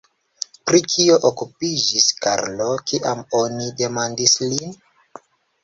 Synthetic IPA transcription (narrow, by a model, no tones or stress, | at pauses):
pɾikʰio̞ʔokupid͡ʒiska̰ɾlokiʔamonide̞mandislin